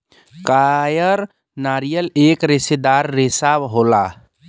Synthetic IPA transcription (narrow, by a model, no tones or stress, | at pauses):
kajəɾ | naɾijəlekɾesed̪aɾːesabɦola